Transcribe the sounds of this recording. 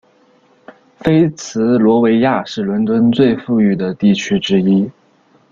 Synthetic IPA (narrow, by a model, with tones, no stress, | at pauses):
fe˥ɪt͡sʰɹ̩˧˥lwɔ˧˥we˧˥ɪja˥˧ʂɻ̩˥˩lwə˧˥nt̪wə˥nt͡swe˥˧ɪfu˥˧y˥˩d̪ə˩t̪i˥˩t͡ɕʰy˥ʈ͡ʂɻ̩˥i˥